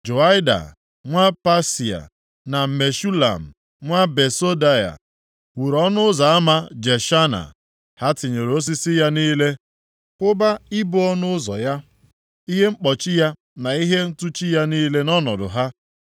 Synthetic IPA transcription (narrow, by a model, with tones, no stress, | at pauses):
d͡ʒo˨a˦ɪ˦da̰˨ | ŋʷa˦pa˦si˨a̰˨ | na˨me˨ʃu˦la̰˨m̩˨ | ŋʷa˦be˨so˦da˦ja̰˨ | wu˨ɾɔ˦nʊ˦za˨a˦ma˦d͡ʒe˨ʃa˦na̰˨ | ha˦tɪ˨ɲe˨ɾo˦s̬i˦sɪ˦ja˦niː˦le˦ | kʷʊ˦ba˦ɪ˦bʊ˦ɔ˦nʊ˦zɔ̰˨ja˦ | i˦ɦe˦ŋ͡m̩˦k͡pɔ˨t͡ʃɪ˦ja˦ | na˨i˦ɦe˦n̩˦tu˦t͡ʃi˦ja˦niː˦le˦nɔ˦nɔ˨dʊ̰˨ɦa˦